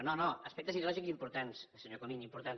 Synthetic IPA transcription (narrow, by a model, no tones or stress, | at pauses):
nonoəspɛkt̪əziðulɔʒikzimpuɾt̪ansəsəɲokomiɲimpuɾt̪an